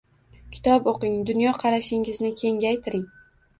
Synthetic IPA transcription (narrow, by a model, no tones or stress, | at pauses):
kʲʰɪ̥t̪ʰɒpoqɪŋd̪ʊnjɒqʰɑɾaʃɪŋɪznɪkʲʰe̞ŋɡʲajt̪ʰɪɾɪŋ